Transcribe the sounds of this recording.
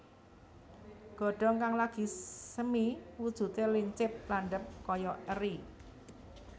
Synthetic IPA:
ɡ̥ɔ̤ɖ̥ɔ̤ŋkaŋlaɡ̥i̤səmiwud̥ʒ̥ṳt̪eliɲt͡ʃɪp̚laɳɖəp̚kɔjɔʔəɾi

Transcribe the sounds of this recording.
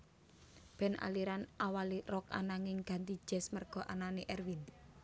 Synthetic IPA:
b̥ɛ̤nʔa̰liɾanʔawalirɔka̰naŋɪŋɡ̥a̤nt̪i̥d͡ʒ̥ɛ̤smərɡ̥ɔ̤ʔananeʔɛrwin

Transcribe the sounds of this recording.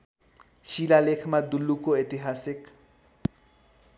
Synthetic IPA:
ʃilalekʰmad̪ulːukoet̪iɦasɪk

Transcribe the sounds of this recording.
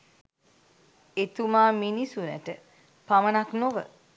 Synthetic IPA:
et̪umaːminisunæ̰ʈə | pamənaknoʋə̰

